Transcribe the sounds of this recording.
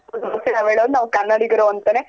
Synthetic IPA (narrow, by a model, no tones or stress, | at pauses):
ɐseɾaʋeːɭod̪unaːʋkɐnːɐɽiɡɐɾoɐnt̪ɐne